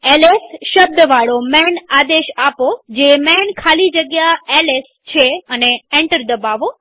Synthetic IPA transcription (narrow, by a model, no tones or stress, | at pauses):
elesʃəb̚d̪əʋaɭomɛnad̪eʃapod͡ʒemɛnkʰalid͡ʒəɡjaeles | t͡ʃʰeəneeɳʈəɾd̪əbaʋo